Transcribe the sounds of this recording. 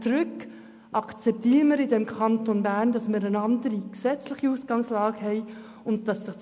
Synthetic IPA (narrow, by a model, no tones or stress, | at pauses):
t͡sɾɵk | ʔɑkt͡sɛp̚tiːɾəməɾɪdɛmkχɑnt̪onbæːɾndɑsməɾənɑndəɾiksɛt͡slɪχiusɡ̥ɑŋslɑːɡ̥ɦɛɪ | ʊnt̚tɑsːɪχ